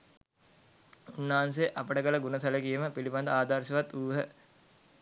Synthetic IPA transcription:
unːaɦans̬eʔapəʈəkələɡunəsɐləkijəməpiliband̪əaːd̪arʃɐʋat̪ːuːɦə

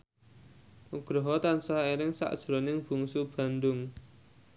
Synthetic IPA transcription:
ʔuɡ̥ɾɔɦɔt̪ansaɦeɾɪŋsa̰ʔd̥ʒ̥ɾɔnɪŋb̥ṳŋsub̥ä̤nd̪ʊŋ

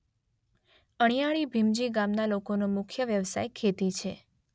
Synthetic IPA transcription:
əɽ̃ijaɭibʱimd͡ʒiɡamnalokonomʊkʰjəʋjəʋsa̰jkʰet̪it͡ʃʰe

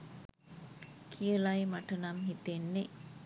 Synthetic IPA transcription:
kʰijəlajmaʈənamɦit̪enːe

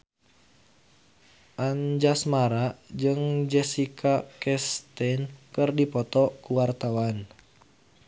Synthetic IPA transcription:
ʔand͡ʒasmaɾad͡ʒɨŋd͡ʒɛsikʰakɛst̪ɛnkɨrdipɔt̪ɔkuwart̪awan

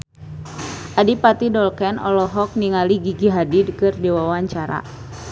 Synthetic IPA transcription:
ʔadipat̪idɔlkɛnɔ̰lɔɦɔk̚niŋaliɡiɡiɦadidkɨrdiwawaɲt͡ʃaɾa̰

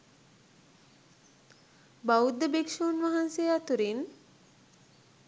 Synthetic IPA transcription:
baud̪ːəbekʃuːnʋaɦansejat̪uɾin

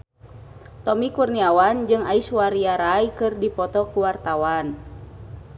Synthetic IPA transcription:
t̪ɔmikurniawand͡ʒɨŋaiswaɾiaɾajkɨrdipɔt̪ɔkuwart̪awan

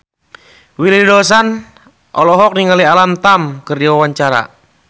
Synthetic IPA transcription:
wilidos̬an | ʔɔ̰lɔɦɔk̚niŋalialamt̪amkərd͡ʒiwawaɲt͡ʃaɾa̰

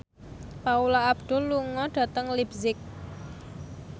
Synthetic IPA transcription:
paulaabd̪̥ʊ̤lːuŋɔɖ̥a̤t̪əŋlibzɪk̚

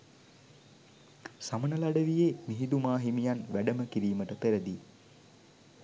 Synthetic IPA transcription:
samənəlaɖəʋijeːmiɦid̪umaːɦimijanʋæɖəməkiɾiːməʈəpeɾəd̪i

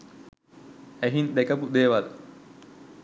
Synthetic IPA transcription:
æɦind̪ekɐpud̪eːʋad̪ɐ

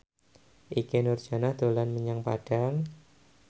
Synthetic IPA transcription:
ʔikenʊrd͡ʒ̥a̤nahd̪̥o̤lanməɲaŋpa̰ɖ̥aŋ

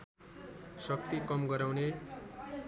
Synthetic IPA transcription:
sʌk̚t̪ikʌmɡʌɾawne

